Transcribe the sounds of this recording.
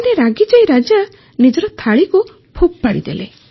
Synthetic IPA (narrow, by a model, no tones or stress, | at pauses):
neɾaɡid͡ʒajɾad͡ʒa | nid͡ʒɔɾɔt̪ʰaɭiku | pʰup̚paɽḭd̪ḛlḛ